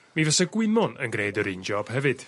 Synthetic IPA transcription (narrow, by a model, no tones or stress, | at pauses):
miːvɛsɛɡwɪnɔnə̰nɡɾeːdəɾɨːnd͡ʒɔːb̥hɛvɨd̥